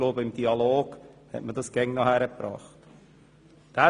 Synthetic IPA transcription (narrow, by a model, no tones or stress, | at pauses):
loːbəɪmd̥iɑloːɡ̥hɛ̰tmədɑsɡ̥ɛŋnɑhæɾəpɾɑ̰ːχt | d̥æː